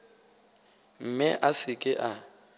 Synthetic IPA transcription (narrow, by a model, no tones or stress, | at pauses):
m̩mɪʔasɪkʼɪʔa